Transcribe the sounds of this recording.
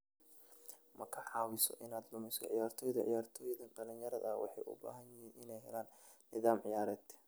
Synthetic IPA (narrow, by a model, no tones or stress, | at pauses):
mʔɐkʰɐħɑːwɪsɔ̰ʔɪnaːd̪lʊmɪsɔ̰ʕɪjaːrt̪ʰɔːjðɐʕɪ̰jaːrt̪ʰɔːjðɐnɖɐlɪnjɐɾɐðɐwʔɑ̰ħɑ̰jʔʊ̰ba̰ːɦɐnjɪɦinʔɪnɛjɦɛ̰laːnnːɪðaːmʕɪjaːɾɛːt̪